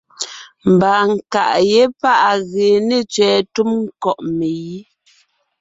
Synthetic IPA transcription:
m̩˨baː˨ŋ̩˨ka˨ʔje˦pa˦ʔa˨ɣeː˨ne˦˨t͡ʃɥɛː˨tu˦mŋ̩˦kɔ˨ʔme˨ji˦

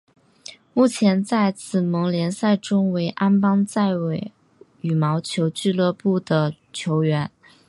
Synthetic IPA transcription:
mu˥˩t͡ɕʰjɛ˧˥nt͡sa˥˩ɪt͡sɹ̩˨˩mɤ˧˥ŋljɛ˧˥nsa˥˩ɪʈ͡ʂʊ˥ŋwe˧˥ɪʔa˥npɑ˥ŋt͡sa˥˩ɪwe˨˩ɪ | y˨˩mɑ˧˥ʊt͡ɕʰjo˧˥ʊt͡ɕy˥˧lɤ˥˧pu˥˩d̪ə˩ | t͡ɕʰjo˧˥ʊɥɛ˧˥n

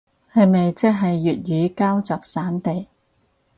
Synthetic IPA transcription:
hɐ˨˧me˨jt͡sɛ˥k̚ɦɐ˨jːyː˨t̚jyː˨˧kaː˥wt͡sɐ˨p̚saː˨˥nt̪e˨j

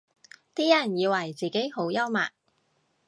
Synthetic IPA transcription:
t̪iː˥jɐ˨˩njiː˨˧wɐ˨˩jt͡siː˨ke˨˥jho˨˥wjɐ˥wma̰ː˨k̚

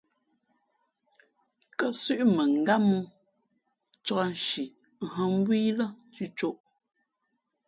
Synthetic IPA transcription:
kə˦sʉ˦ʔmə˨ŋ̩˨ɡa˦mu˦ | t͡ʃɔ˦n˨ʃi˨ | ɦə˦m̩˦bwi˦lə˦ | t͡sʉ˦t͡ʃo˦ʔ

